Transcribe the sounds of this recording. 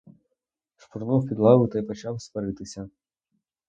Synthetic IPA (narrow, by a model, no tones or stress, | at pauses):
ʃpurnɔwpʲid̪lˠɑʋɪwt̪ɐjpɔt͡ʃɑwst̪ʋɐɾɪt̪ɪsʲɐ